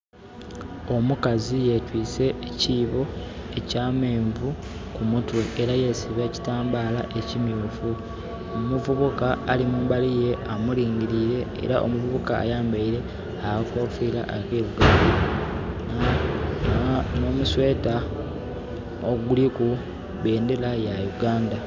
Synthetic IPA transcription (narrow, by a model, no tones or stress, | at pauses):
o̞mukazije̞twiːse̞ːciːβo̞e̞caːme̞ːɱvu | kumutweʔːɾaje̞siβeci̥taːmbaːlaʔe̞cimjuːfu | omuvuβukaːlimuːmbalije̞amuliːɲɟiɾiɾe̞̰ːɾaʔo̰muvuβuka̰ːjaːmbaiɾe̞ | aakoːfila̰ʔakeːβuɡaːnda | no̞muswe̞ːta | oɡuliku | βe̞ːnde̞lajajuɡaːnda